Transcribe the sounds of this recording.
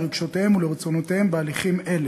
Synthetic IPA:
ʁiɡʃot̪ehemuleʁet͡sonot̪ehembealiχime̞le

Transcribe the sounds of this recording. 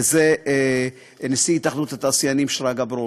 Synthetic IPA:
ze | nesiit̪aχnut̪at̪asjanimʃɾaɡabɾo

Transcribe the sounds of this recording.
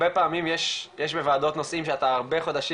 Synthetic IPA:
epaːmimjeʃjeʃbevaːdo̞tnosʔimʃeat̪aːʁbe̞χo̞d̪aʃi

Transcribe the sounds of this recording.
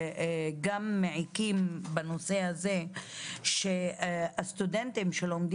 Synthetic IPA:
ɡamːeʕikimbanose̞haze̞ | ʃeast̪ud̪ent̪imʃelomd̪

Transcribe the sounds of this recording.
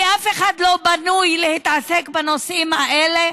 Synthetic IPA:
ʔafeχad̪lo̞banujlehit̪asekbanosʔimhaʔele

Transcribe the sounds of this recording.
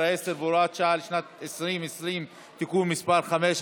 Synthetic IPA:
ʔeseɾboɾat̪ʃaʕlɪʃnat̪ɪsɾiːmɪsɾiːm | t̪akuːmːɪsbaɾxameːʃ

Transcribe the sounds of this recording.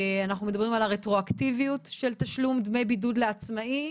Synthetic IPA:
anaχnume̞d̪ɐbʁimalaʁetʁoakt̪ivijut̪ʃe̞lt̪aʃlumd̪mejbidud̪leat͡smai

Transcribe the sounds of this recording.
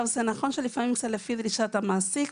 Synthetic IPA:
vzenaχo̞nʃelifamimkt͡satlefid̪ɾiʃat̪amaːsik

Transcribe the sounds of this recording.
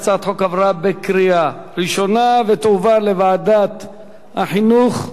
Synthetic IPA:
t͡sat̪ħokavɾabekɾia | ɾiʃonavet̪uvalevaːd̪at̪ | ha̰ħinuχ

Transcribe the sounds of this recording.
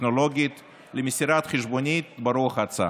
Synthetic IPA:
noloɡʲiit̪ | lemisʲiɾat̪χeʃbonʲit̪bɐɾuɐχat͡sa̰

